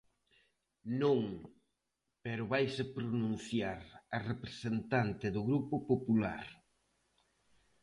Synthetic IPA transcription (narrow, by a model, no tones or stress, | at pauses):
nõŋ | peɾʊβajsepɾonũn̟θjaɾɐrepɾesent̪ant̪ɪðʊɣɾupʊpopula̰ɾ